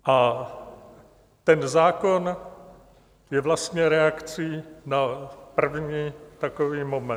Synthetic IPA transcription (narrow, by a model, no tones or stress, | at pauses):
ʔa | t̪ɛnzaːkon | jɛvlast̪ɲɛɾɛakt͡sinapr̩vɲiːt̪akoviːmomɛ